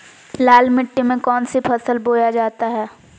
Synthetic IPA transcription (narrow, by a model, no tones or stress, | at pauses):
laːlmɪʈːimẽkɔːnsipʰɐsəlboːjad͡ʒaːt̪aɦɛː